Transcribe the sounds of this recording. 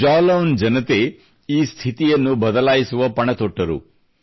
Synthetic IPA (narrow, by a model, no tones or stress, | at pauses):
d͡ʒaːlɐwnd͡ʒɐnɐt̪e | iːst̪ʰit̪ijɐnːubɐd̪ɐlaːjisuʋɐpɐɳɐt̪oʈːɐɾṵ